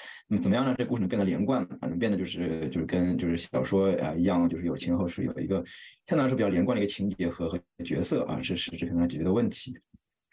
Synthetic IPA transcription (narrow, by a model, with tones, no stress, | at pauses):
na˥˩mət͡sə˨˩nmə˦jɑ˥˧n˧˩˧ʈ͡ʂɤ˥˩˧ku˥˩˧pjd̪ə˩ljɛ˧˥kwa˥˩n̰˩˧˩na˥˩ə˩pjnd̪ə˩t͡ɕjo˥˧ʊʂɻ̩˥˩t͡ɕjo˥˧ʊʂɻ̩˥˧kə˥nt͡ɕjo˥˧ʊʂɻ̩˥˩ɕɑ˨˩ʊʂwɔ˥ə̰˧i˧˥jɑ˥˧ŋt͡ɕjo˥˧ʂɻ̩˥˩jo˨˩ʊt͡ɕʰɛ˧˥xo˥˧ʊʂɻ̩˥˩jo̰˨˩ʊḭ˧˥ɡə˧t͡ɕ̪ʰpljɛ˧˥nkwd̪t͡ɕʰi˧˥ŋt͡ɕɛ˧˥xɤ˧˥xɤ˧˥ə˧t͡ɕɥɛ˧˥sɤ˥˩ʔɐ̰˧˩ʂɻ̩˥˧ʂɻ̩˥˧ʈ͡ʂɻ̩ʰ˥˩˧t͡ɕɥɛ˧˥ə˧wə˥˩nt̪ʰi̥˧˥